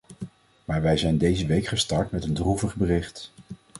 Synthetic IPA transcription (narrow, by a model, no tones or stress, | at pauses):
maːɹʋɛjzɛjndejzəʋejkχəstɑɹtmɛtəndruvəχbərɪχt